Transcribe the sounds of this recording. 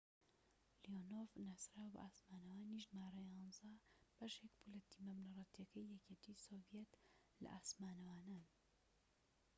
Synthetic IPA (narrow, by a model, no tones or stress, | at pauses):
lijonovnɐsɾaːwbɐ̰ʔaːsmaːnɐwaːniʒmaːɾɐjɑːnzɐb̥ɐʃekpulɐt̪iːmɐbnɐrˤɑt̪ijɐkʰɐjːɛkeːt̪ʰiːsovijɛt̪ | lɐ̰ʔaːsmaːnɐwaːnaːn